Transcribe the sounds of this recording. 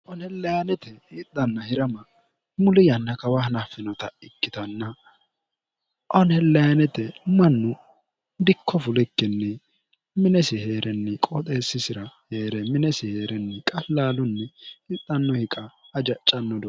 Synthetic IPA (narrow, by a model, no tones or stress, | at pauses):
ʔɔnhɛlːɐjanɛt̪ɛɪt̪ːɐnːɐhɪɾɐmɐ | mʊlɪjɐnːɐkɐwahɐnafːɪnɔt̪ɐɪkːɪt̪ɐnːɐ | ʔɔnhɛlːɐjɐnɛt̪ɛmɐnːʊ | d̪ɪkːɔfʊlɪkːɪnːɛ | mɪnɛsɪhe̞ːɾʔɛnːɛkʼot̪ʼeːsːɪsɪɾɐheːɾɛmɪnɛsɪheːɾɛnːɛkʼɐlːaːlʊnːɛɪt̪ːɐnːɔhɪkʼɐːd͡ʒɐt͡ʃʼːɐnːɔd̪ɔ